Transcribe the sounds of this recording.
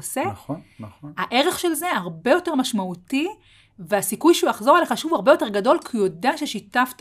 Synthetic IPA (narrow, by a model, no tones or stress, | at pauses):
osenaʔe̞ʁe̞χʃe̞lze̞aʁbe̞jote̞ʁmaʃmauti | veasikujʃeujaχzo̞aleχaʃuvaʁbe̞jo̞te̞ʁɡado̞lkujo̞deaʃeʃitaft